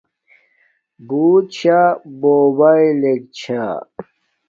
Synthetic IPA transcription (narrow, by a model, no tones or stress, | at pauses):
buːt͡ɕʰaboːbailek̚t͡ɕʰa̰